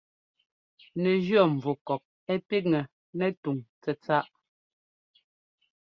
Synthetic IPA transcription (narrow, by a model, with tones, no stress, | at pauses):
nɛ˨ʒɥɔ˦˨ɱ˨vu˨kɔ˨k̚ | ɛ˦pi˦ŋɛ˨ | nɛ˦tu˨ŋt͡sɛ˨t͡sa˦ʔ